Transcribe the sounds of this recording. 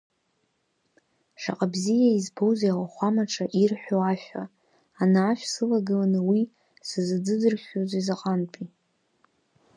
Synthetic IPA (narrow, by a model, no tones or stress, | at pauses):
ʂa̰qʼabzijaizbo̞wziawaχʷamaʈ͡ʂʰaʔirħʷᶣoaʃᶣa̰ | anaːʃʷᶣsɨlaɡɨlanɨwi | sɨzɨd͡zɨd͡zɨrʃʲᶣozizaqʼantʰʼi